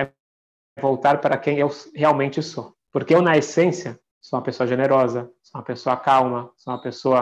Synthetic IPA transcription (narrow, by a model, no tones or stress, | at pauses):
ɛ | vowt̪aɾpaɾɐkẽj̃ewsheawmẽnt͡ʃɪso | poɾkeewnɐesẽsiɐ | soũmɐpesoɐʒeneɾɔzɐsoũmɐpesoɐkawmɐsoũmɐpesoɐ